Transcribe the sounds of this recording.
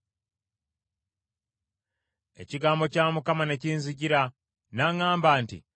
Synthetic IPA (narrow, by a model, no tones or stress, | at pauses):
e̞̰ciɡaːmbo̞caːmukamane̞ciːnziɟiɾa | naŋaːmbaːntḭ